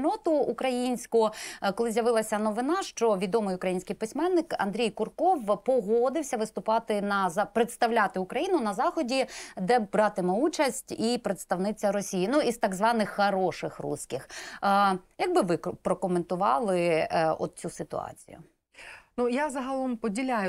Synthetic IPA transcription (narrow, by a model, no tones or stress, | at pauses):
nɔt̪ʊːkɾɐjinʲsʲkʊkɔlˠɪzʲjɐʋɪlˠɐsʲɐnɔʋɪnɑʃt͡ʃɔʋʲid̪ɔmɪjʊkɾɐjinʲsʲkɪjpɪsʲmɛnːɪkɐ̰nd̪ɾʲijkʊrkɔwpɔɦɔd̪ɪwsʲɐʋɪst̪ʊpɑt̪ɪnɐzɑpɾet̪st̪ɐwlʲat̪ɪʊkɾɐjinʊnɐzɑxɔdʲid̪ɛbɾɑt̪ɪmɛut͡ʃɐsʲtʲipɾet̪st̪ɐwnɪt͡sʲːɐɾɔsʲijinuizt̪ɑɡzʋɑnɪxːɐɾɔʃɪxrṵsʲkɪx | jɐɡ̚bɪʋɪpɾɔkɔment̪ʊʋɑlˠɪɔ̰d̪̚t͡sʲusɪt̪ʊ̰ɑ̰t͡sʲḭjʊ̰ | nujazɐɦɐlˠɔmpɔdʲilʲajʊ